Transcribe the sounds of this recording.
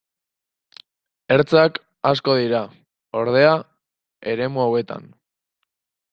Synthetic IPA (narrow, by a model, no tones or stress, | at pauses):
e̞ɾt͡sak | asko̞ðiɾa | o̞ɾð̞e̞a | e̞ɾe̞muawe̞t̪a̰n